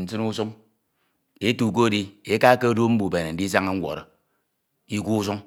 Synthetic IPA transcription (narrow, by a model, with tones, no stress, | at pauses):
n̩˨t͡sɨ˦nu˦su˦ŋ | e˦tu˨k̬o˦di˦e˦ka˦ke˦do˦m̩˦bu˨be˨ne˨n̩˨di˦s̬a˦ŋe˦ŋ̩˦wʷo̰˨ɾo˨ | i˦ku˦u˦su˦ŋ